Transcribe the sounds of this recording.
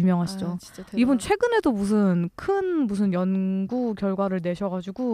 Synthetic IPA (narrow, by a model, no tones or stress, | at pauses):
umjʌŋɦaɕʰid͡ʑoibunt͡ɕʰwe̞ɡɯne̞domus̬ʰɯnkʰɯnmus̬ʰɯnjʌnɡukjʌɭɡwaɾɯɭne̞ɕʰʌɣad͡ʑuɡu